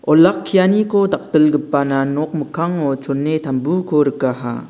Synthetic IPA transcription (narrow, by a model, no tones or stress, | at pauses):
olakʰːijanikʰotak̚tɯlɡɯpːananɔk̚məkʰaŋot͡ʃʰonːetʰambukʰoɾɯkaɦa̰